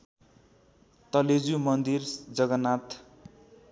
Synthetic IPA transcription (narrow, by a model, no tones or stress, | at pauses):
t̪ʌled͡zumʌnd̪ird͡zʌɡʌnat̪